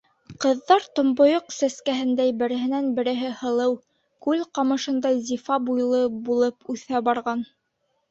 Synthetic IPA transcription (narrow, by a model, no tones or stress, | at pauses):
qɤ̆ðːɑɾt̪ŏmbŏjoqsæskæɦɘ̆nd̪æjbɘ̆ɾɘ̆ɦɘ̆nænbɘ̆ɾɘ̆ɦɘhɤ̆lˠɤw | kʉlqɑmɤ̆ʃɤ̆nd̪ɑzʲifɑbujlˠɤbulˠɤpʉθæbɑɾʁɑn